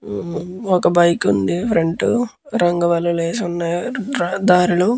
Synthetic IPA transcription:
ɔkɐbɐjkund̪ipʰɾeɳʈu | ɾɐŋɡɐʋɐluleːsunːɐɾd̪aːɾulu

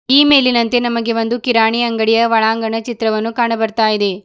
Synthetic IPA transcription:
iːme̞ːlinɐnt̪e̞nɐmɐɡe̞ʋɐnd̪ukiɾaːɳiɐŋɡɐɽijɐʋɐɭaːŋɡɐɳɐt͡ʃit̪ɾɐʋɐnːukaːɳɐbɐɾt̪aːjid̪e̞

